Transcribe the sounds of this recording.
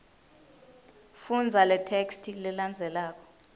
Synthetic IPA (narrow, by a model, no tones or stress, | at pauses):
fund͡zʱalɛtʰekstʰilɛland͡zʱɛlaːk̬ʰʼɔ̥